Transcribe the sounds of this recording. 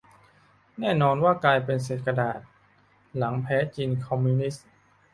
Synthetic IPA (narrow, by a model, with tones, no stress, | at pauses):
nɛː˥˩nɔː˧nwaː˥˩klaː˧jpe˧ns̬eː˨˩t̪̚ka˧daː˨˩t̪̚ | la˩˦ŋpʰɛː˦˥t͡ɕiː˧nkʰɔ˧mːiː˧ni˦˥s